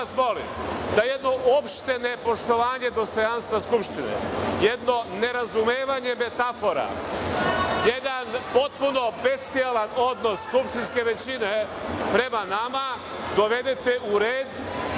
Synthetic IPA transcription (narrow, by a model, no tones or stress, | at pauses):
asmo̞lḭmd̪ajed̪no̞ʔopʃt̪enepo̞ʃt̪o̞ʋaːɲe̞d̪o̞st̪o̞janst̪ʋaskupʃt̪inḛjed̪no̞ne̞ɾazumeːʋaɲe̞me̞t̪afo̞ɾa̰ | jed̪anpo̞t̪puno̞be̞st̪ialano̞d̪no̞sskupʃt̪inske̞ʋe̞t͡ɕine | pɾe̞manama | d̪o̞ʋe̞d̪e̞t̪eʔuɾeːd̪